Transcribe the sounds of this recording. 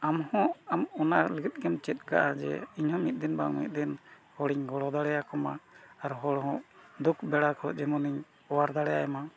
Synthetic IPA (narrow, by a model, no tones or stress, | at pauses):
amhɔ̃amɔnaʔləɡit̪̚ˀkɛmt͡ʃɛt̪̚ka̰ʔad͡ʒɛ̰iɲhɔ̃mit̪̚d̪inbamḭt̪̚ˀd̪in | hɔɽiɲɡɔɽɔd̪aɽɛjakɔma̰ːɾɦɔɽɦɔ̃ʔd̪ukbɛɽakʰɔd͡ʒɛmɔniɲ | ɔwaɾd̪aɽɛjaɛma